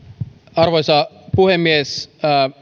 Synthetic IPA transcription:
ɑrʋojsɑ | puhemːies

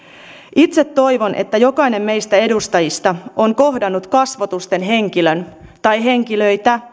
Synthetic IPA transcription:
it̪se̞t̪ːo̞jʋo̞nʔe̞̰t̪ːæjo̞kɑjne̞mːme̞jst̪æe̞dust̪ɑjist̪ɑoŋko̞ɦdɑnːut̪kɑsʋot̪ust̪e̞nɦe̞ŋkilønt̪ɑjɦe̞ŋk̟ilø̞jt̪æ

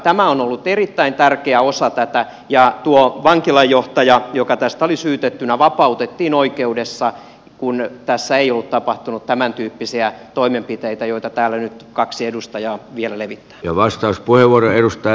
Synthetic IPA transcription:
t̪æmæonolːut̪erit̪ːæint̪ærkeæosɑt̪æt̪æ | jɑt̪uoʋɑŋkilɑjːoht̪ɑjɑjokɑt̪æst̪æolisyːt̪et̪ːynæʋɑpɑut̪et̪ːiːnoikeudesːɑ | kunt̪æsːæeijolːut̪t̪ɑpɑht̪unut̪t̪æmænt̪yːpːisiæt̪oimempit̪eit̪æjoit̪ɑt̪æːlːænyt̪kɑksiedust̪ɑjɑːʋielæleʋit̪ːæ̥ːjɑʋɑst̪ɑuspuheʋuoroeɾust̪ɑ

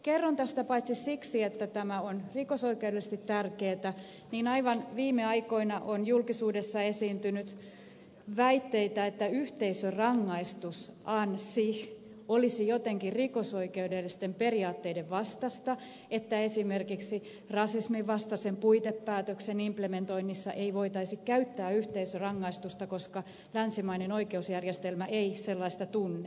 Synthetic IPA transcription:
kerːont̪æst̪æpɑit̪sisiksiet̪ːæt̪æmæonrikosoikeudelːˑst̪it̪tærkeːt̪æ | niːnɑiʋɑnʋiːmːeɑiko̞inɑʔonjulkisuːdesːɑesiːnt̪ynyt̪ | ʋæit̪ːeit̪æet̪ːæyht̪eisørɑŋːɑist̪usʔɑnsih | olisijot̪eŋkirikosoikeydelːist̪emperiɑːt̪ːeideʋʋɑst̪ɑst̪ɑ | et̪ːæesimerkiksi | rɑsismiʋɑst̪ɑsempuit̪epːæːt̪øksenimplement̪o̞inːisːɑʔeiʋoit̪ɑisikkæyt̪ːæːyht̪eisørɑŋːɑist̪ust̪ɑkoskɑ | lænsimɑinenoikeusjærjest̪elmæʔeiselːɑist̪ɑt̪unːe

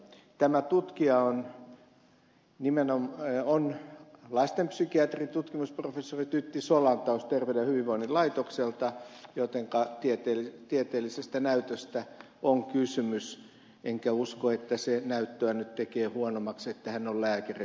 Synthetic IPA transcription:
t̪æmæt̪ut̪kiɑon | nimenomonlɑst̪empsykiɑt̪rit̪ut̪kimusprofesːorit̪yt̪ːisolɑnt̪ɑost̪erʋedehyʋiʋʋoinilɑit̪okselt̪ɑjot̪eŋkɑt̪iet̪eːlit̪iet̪eːlisest̪ænæyt̪øst̪æ | oŋkysymys | ʔeŋkæuskoet̪ːæsenæyt̪ːøænyt̪t̪ekeːhuonomɑkset̪ːæhænːollæːkæri

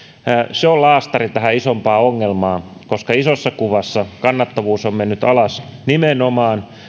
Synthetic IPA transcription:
seolɑːst̪ɑrit̪æhæisompɑːoŋːelmɑː | koskɑisosːɑkuʋɑsːɑkɑnːɑt̪ːɑʋuːsommenːyt̪ɑlɑsnimenomɑːn

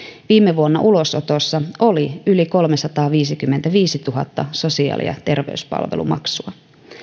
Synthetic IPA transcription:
ʋiːmːeʋuonːɑʔulo̞sot̪osːɑʔo̞liyliko̞lmesɑt̪ɑːʋiːsikymːent̪æʋiːsit̪uɦɑt̪ːɑso̞siɑ̰ːlḭɑ̰t̪e̞rʋḛʉyspɑ̰lʋḛlṵmɑ̰ksuɑ

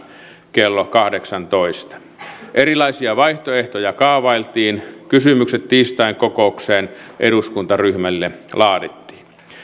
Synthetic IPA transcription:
kelːokɑhdeksɑnt̪oist̪ɑ̥ | ʔeɾilɑisiɑʋɑiht̪oeht̪ojɑkɑːʋɑilt̪iːnkysymykset̪t̪ːiːst̪ɑiŋkokoukseːnʔeɾuskunt̪ɑryhmælːelɑːdit̪ːi̥ːn

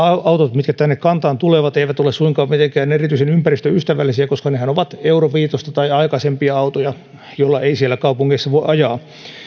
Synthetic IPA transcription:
ɑɑut̪ot̪mit̪kæt̪ænːekkɑnt̪ɑːnt̪uleʋɑt̪eiʋæt̪olessuiŋkɑːmmit̪eŋkæːnerit̪yisenympærist̪øyst̪æʋæ̰lːisiækoskɑnehænoʋɑt̪euroʋiːt̪ost̪ɑt̪ɑiɑikɑsempiɑɑut̪ojɑ | jolːɑeisielːækɑupuŋːeisːɑʋoiʔɑjɑː

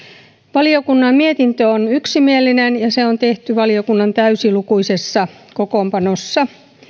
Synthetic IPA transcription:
ʋɑliokunːɑmmiet̪int̪øonyksimielːinenjɑseont̪eht̪yʋɑliokunːɑnt̪æysilukuisesːɑ | kokompɑnosːɑ

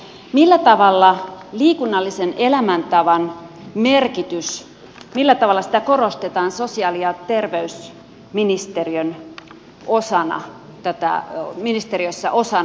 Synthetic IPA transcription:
milːæt̪ɑʋɑlːɑliːkunːɑlːisene̞læmænt̪ɑʋɑn | merkit̪ys | milːæt̪ɑʋɑlːˑɑsi̥t̪æko̞rost̪et̪ɑːnso̞siɑliɑt̪erʋeys | minist̪eriøn | o̞sɑnɑ̰ | t̪æt̪æ̰minist̪eɾiøsːæ̰ʔo̞sɑn

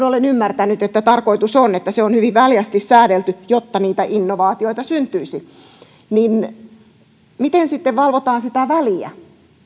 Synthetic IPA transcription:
nolenymːært̪ænyt̪et̪ːæt̪ɑrkoit̪usonet̪ːæseonhyʋiʋʋæljæst̪issæːɾelt̪yjot̪ːɑniːt̪æʔinːoʋɑːt̪ioit̪ɑsynt̪yisi | nin | mit̪ensit̪ːeʋʋɑlʋot̪ɑːnsit̪æʋæliæ̰

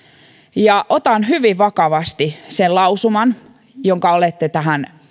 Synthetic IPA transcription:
jɑʔot̪ɑnɦyʋiʋʋɑkɑʋɑst̪isellɑusumɑn | joŋkɑolet̪ːet̪æɦæn

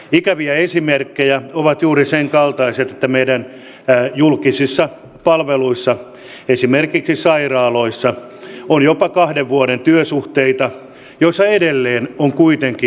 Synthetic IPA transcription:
ikæʋiæesimerkːejæoʋɑt̪juːriseŋkɑlt̪ɑiset̪et̪ːæmeidæn | julkisisːɑ | pɑlʋeluisːɑ | esimerkiksisɑirɑːloisːɑ | onjopɑkɑhdeʋʋuoɾent̪yøsuht̪eit̪ɑ | joisːɑedelːeːnoŋkuit̪eŋki

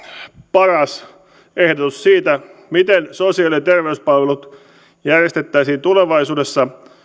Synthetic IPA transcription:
pɑrɑs | ehdot̪ussiːt̪æmit̪ensosiɑlient̪erʋeyspɑlʋelut̪ | jærjest̪et̪ːæisiːnt̪uleʋɑisuːdesːɑ

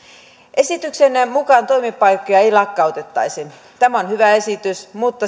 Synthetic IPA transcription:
ʔesit̪yksenmukɑnt̪o̞imipːɑjkːojɑeilɑkːɑut̪et̪ːɑ̰isin | t̪æmæonhyʋæe̞sit̪ysmut̪ːɑ

